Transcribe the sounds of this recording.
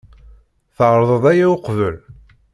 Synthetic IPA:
θəʕɾˤəðˤəðˤæjæoqvəl

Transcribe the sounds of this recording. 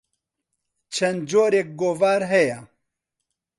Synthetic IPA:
t͡ʃʰɛnd̪d͡ʒoːɾjɛk̚ɡoːvaːɾɦɛja

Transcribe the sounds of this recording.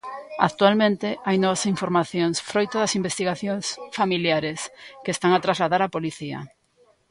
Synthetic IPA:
a̰kt̪ualmẽnt̪ɪʔajnɔβasiɱfoɾmaθjoŋsfɾojt̪oðɐsimbest̪iɣaθjoŋsfamiljaɾeskest̪aŋat̪ɾazlaðaɾapoliθiɐ̰

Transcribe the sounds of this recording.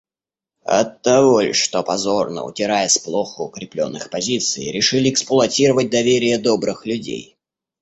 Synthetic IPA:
ɐ̰t̪ːɐvolʲʂt̪opɐzornə̰ʊ̰tʲɪɾajəsplˠoxəʊkɾʲɪplʲo̰nːɨxpɐzʲit̪sɨjɾʲɪʂɨlʲɪɛksplˠʊɐtʲiɾəvət̚ʲd̪ɐvʲeɾʲɪjəd̪obɾɨxlʲʉdʲḛj

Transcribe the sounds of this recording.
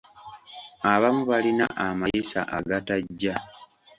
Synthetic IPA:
aβamuβalina̰ʔamajesa̰ʔaɡataɟːa

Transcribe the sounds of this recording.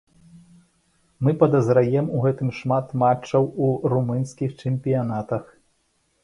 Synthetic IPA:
mɨpɐd̪ɐzɾajɛmuɣɛt̪ɨmʂmat̪mat͡ʂːɐwuɾumɨnsʲkʲixt͡ʂɛmʲpʲijanat̪ɐx

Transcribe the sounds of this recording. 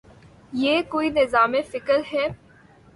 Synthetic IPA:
jeːkoːinɪzaːmefɪkəɾɦɛː

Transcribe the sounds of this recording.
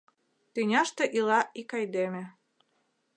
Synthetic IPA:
t̪ɨnʲɑʃt̪ĕʔilɑikɑjd̪emĕ

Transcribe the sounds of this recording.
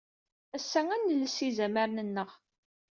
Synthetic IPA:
æsːæŋænːəlːsizæməɾnənːəʁ

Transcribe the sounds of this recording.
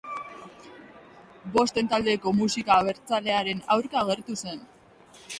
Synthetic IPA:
bo̞st̪e̞nt̪ald̪e̞ko̞musikaβ̞e̞ɾt͡sale̞aɾe̞nawɾkaːɣe̞ɾt̪use̞n

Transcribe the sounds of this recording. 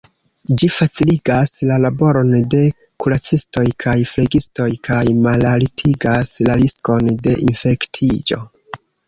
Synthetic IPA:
d͡ʒifat͡siliɡaslalabo̞ɾo̞nde̞ | kulat͡sisto̞jkʰajfleɡisto̞jkʰajmalalitʰiɡaslalisko̞nde̞ʔinfe̞ktʰid͡ʒo̞̰

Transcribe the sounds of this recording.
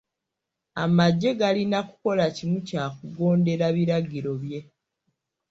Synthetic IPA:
a̰maɟːe̞ɡalinaku̥ko̞lacimucaːkuɡo̞ːnde̞ɾaβiɾaɡiɾo̞βje̞

